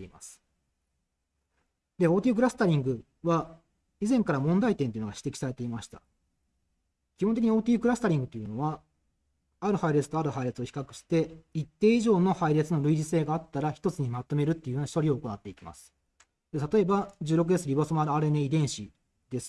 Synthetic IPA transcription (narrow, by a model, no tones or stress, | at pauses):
eima̰sɨ̥ | d̪eo̞ːt̪ʲiɯk̬ɯ̟ɾasɨ̥t̪aɾʲĩŋɡɯ̟ | βa | izẽ̞ŋkaɾamõ̞nd̪ait̪ent̪oiɯ̟noɡaɕi̥t̪e̞kʲi̥saɾe̞t̪e̞imaɕi̥t̪a̰ | kʲihont̪ek̬ʲiɲio̞ːt̪ʲiɯkɯɾasɨ̥t̪aɾʲĩŋɡɯ̟t̪ːojɯ̟no̞βa | aɾɯ̟haiɾe̞t͡sɨ̥t̪o̞aɾɯ̟haiɾe̞t͡sɨo̞çi̥kakɯ̟̥ɕi̥t̪e̞it̪ːe̞ːiʑo̞ːno̞haiɾe̞t͡sɨno̞ɾɯ̟id͡ʑise̞ːɡaːt̪ːaɾaçi̥t̪o̞t͡sɨɲ̟imat̪o̞me̞ɾɯ̟t̪ːeɯ̟onaɕi̥t̪oɾʲio̞ːko̞nat̪ːe̞ikʲima̰sɨ̥ | d̪et̪at̪o̞e̞bad͡ʑɨːɾo̞k̬ɯ̟d̪et͡sɨɾʲibasomaɾɯaɾeneid̪ẽ̞ɰ̃ɕi | d̪̥e̞sɨ̥